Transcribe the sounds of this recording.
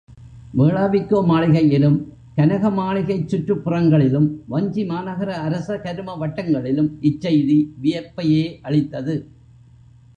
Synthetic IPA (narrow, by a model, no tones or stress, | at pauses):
meːɭaːʋɪkːoːmaːɭɪɣɐjɪlɯm | kɐnɐɣɐmaːɭɪɣɐɪt͡ʃːʊʈrɯpːɯrɐŋɡɐɭɪlɯmʋɐɲd͡ʒimaːnɐɣɐɾɐːɾɐsɐkɐɾɯmɐʋɐʈːɐŋɡɐɭɪlɯmɪt͡ʃːɐjðiʋɪjɐpːɐjeːʔɐɭɪt̪ːɐðɯ